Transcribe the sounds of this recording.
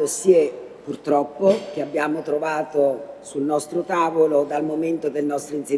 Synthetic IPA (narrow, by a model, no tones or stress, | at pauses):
osie | purt̪ɾɔpːok̟eabːjaːmot̪ɾovaːt̪osulnɔst̪ɾot̪aːvolod̪almoment̪od̪elnɔst̪ɾinse